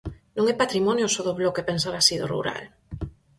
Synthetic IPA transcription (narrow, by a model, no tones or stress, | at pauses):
nõŋɛpat̪ɾimɔnjʊsoðoβlokepensaɾasiðo̰rṵɾa̰l